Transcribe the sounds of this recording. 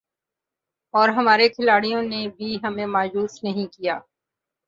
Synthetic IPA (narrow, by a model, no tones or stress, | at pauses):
ɔːɾɦɐmaːɾekʰɪlaːɽijõnebʱiɦɐmẽmaːjuːsnɐɦĩkijaː